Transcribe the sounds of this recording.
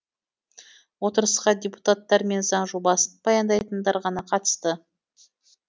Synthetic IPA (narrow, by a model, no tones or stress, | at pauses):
wo̞t̪əɾəsqɑd̪ʲejpu̥t̪at̪ːɑɾme̞nzɑɴʒobɑsənb̥ɑjɑnd̪ɑjt̪ənd̪ɑɾʁɑnɑqʰɑt̪ə̥st̪ə